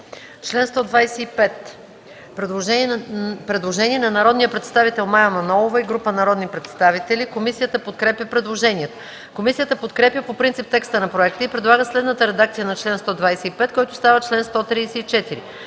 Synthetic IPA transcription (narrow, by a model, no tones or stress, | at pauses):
t͡ʃlɛnst̪ɔd̪vajsɛipɛt̪ | pɾɛd̪lˠoʒɛpɾɛd̪lˠoʒɛnʲiɛnɐnɐɾɔd̪nijəpɾɛt̪st̪avit̪ɛlˠmajɐmɐnɔlˠovəiɡɾupənɐɾɔd̪nipɾɛt̪st̪avit̪ɛlikomisijət̪əpot̪kɾɛpjəpɾɛd̪lˠoʒɛniɛt̪ə | komisijət̪əpot̪kɾɛpjəpopɾint̪sip̚t̪ɛkst̪ənɐpɾoɛkt̪əipɾɛd̪lˠaɡəslɛd̪nət̪əɾɛd̪akt̪sijənɐt͡ʃlɛnst̪ɔd̪vajsɛipɛt̪kɔjt̪ʊ̥st̪avət͡ʃlɛnst̪ɔt̪ɾiːsɛit͡ʃɛt̪iɾi